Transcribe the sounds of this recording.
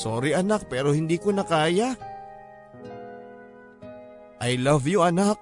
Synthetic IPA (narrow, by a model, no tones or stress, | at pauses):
soːɾiʔɐnak̚pɛːɾohɪnd̪iːkonɐkaːja | ʔɐjlavjʊʔɐnak̚